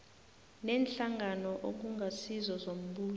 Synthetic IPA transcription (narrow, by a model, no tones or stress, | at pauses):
nɛːnɬaŋanɔʔok̬uŋɡʱasizɔzom̩ɓuː